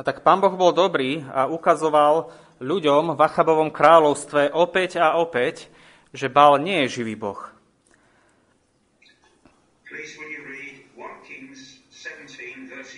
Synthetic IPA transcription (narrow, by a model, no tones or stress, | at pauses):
at̪akpaːmbɔɣbɔld̪ɔbɾiːa̰ukazɔʋal | ʎuɟɔmvaxabɔʋɔmkɾaːʎɔʊst̪ʋɛʔɔpɛɟaɔpɛc | ʒɛbalɲɪɛjɛʒiʋiːbɔ̰x | pʰliːzwə̃njəɹiːdwɔ̃nkʰɪ̃ŋz̥sɛvə̃ntʰĩnvɜːˑs